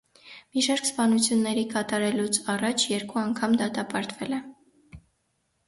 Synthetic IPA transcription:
miʃɑɾkspɑnut͡sʰjunːɛɾikɑt̪ɑɾɛlut͡sʰɑrɑt͡ʃʰjɛɾkuɑŋkʰɑmd̪ɑt̪ɑpɑɾt̪vɛlɛ

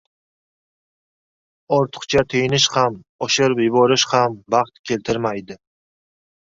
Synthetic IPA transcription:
ɒɾt̪ʰʊ̥qt͡ʃʰat̪ʰejnɪʃhamɒʃɪɾpjʊbɒɾɪʃhambɑχt̪kʲʰe̞lt̪ʰɪɾmajd̪ɪ

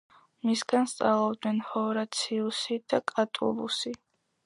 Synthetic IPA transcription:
misɡanst̪sʼalˠɔbd̪nɛnhɔɾat̪sʰiusid̪̥akʼat̪ʼṵbusi

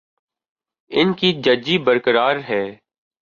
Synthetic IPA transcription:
ɪnkid͡ʒəd͡ʒibəɾkəɾaːɾɦɛː

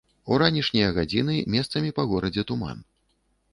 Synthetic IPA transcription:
uɾanʲiʂnʲijɐɣad͡zʲin̪ɨmʲɛst̪sɐmʲipɐɣɔɾɐd͡zʲɛt̪uma̰n

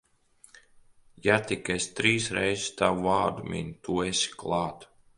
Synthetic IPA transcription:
jat̪ikest̪ɾiːsɾɛjzɪst̪awuvaːɾd̪umḭnʲt̪uːesi̥klˠɑːt̪

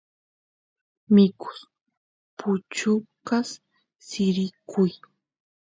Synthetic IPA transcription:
mɪkʊ̥s | pʊt͡ʃʊkas | sɪɾɪkʰʊj

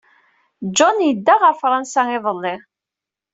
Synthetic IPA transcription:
d͡ʒɔnjəd̪ːaʁafɾˤɑnsaŋɪðˤəlːɪ

